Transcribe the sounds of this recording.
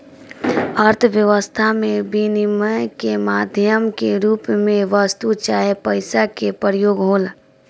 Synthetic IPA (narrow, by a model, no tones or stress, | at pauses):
əɾt̪ʰʋjəʋəst̪ʰamẽbiniməjkemaːd̪ʱjəmkeɾuːpmẽʋəst̪ut͡ʃaːepəɪsakepəɾjoːɡɦoːl